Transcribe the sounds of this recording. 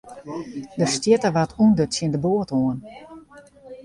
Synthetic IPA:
dəstjɪtəʋatundətsjɪndəboətoən

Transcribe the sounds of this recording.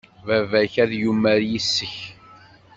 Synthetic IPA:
vævæçæðjumːæɾjisːəç

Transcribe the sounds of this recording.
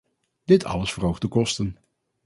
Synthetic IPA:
d̥ɪtʰɑ̰ləsfərowχdəkɔstən

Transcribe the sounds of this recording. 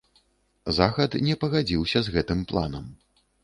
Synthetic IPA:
zaɣɐt̪nʲɛpɐɣad͡zʲiwsʲɐzɣɛt̪ɨmplˠa̰nɐm

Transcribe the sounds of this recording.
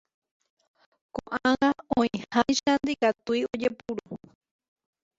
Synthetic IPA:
kõʔãŋaõĩhãjʃand̪ikat̪uiod͡ʒepuɾu

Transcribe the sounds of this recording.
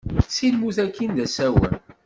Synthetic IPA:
silmuθækːind̪æsæwə̰n

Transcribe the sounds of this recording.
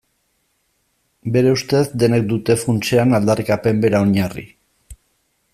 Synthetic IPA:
be̞ɾe̞ust̪e̞sd̪e̞ne̞k̚d̪ut̪e̞funt͡se̞anald̪arikape̞mbe̞ɾao̞ɲarḭ

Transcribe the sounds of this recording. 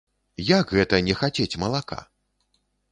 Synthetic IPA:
jakɣɛt̪ɐnʲɛxat͡sʲet͡sʲmɐlˠaka̰

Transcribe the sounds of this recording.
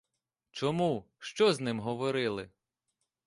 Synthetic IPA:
t͡ʃɔmu | ʃt͡ʃɔznɪmɦɔʋɔɾɪlˠɪ

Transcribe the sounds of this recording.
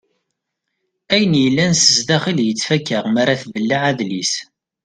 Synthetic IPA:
æjənjəlːænsəzðæχiljət͡sːfækːəʁmaɾaθvəlːaʕaðlis

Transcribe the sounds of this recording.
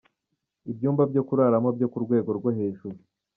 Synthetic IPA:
ibjuːmbabjo̞kuɾaɾamobjo̞kuɾɡwe̞ːɡo̞ɾɡwoɦe̞ːʒuɾu

